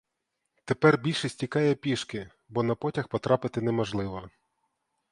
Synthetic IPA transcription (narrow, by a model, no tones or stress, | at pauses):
t̪e̞pɛrbʲilʲʃɛsʲtʲikɑjɛpʲiʃkɪ | bɔnɐpɔtʲɐxpɔt̪ɾɑpɪt̪ɪnɛmɔʒlˠɪʋɐ